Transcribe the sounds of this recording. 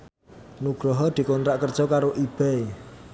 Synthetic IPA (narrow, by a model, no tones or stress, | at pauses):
nuɡ̥ɾɔɦɔd̪̥i̤kont̪ɾaʔkərd̥ʒ̥ɔkaɾoʔib̥ɛe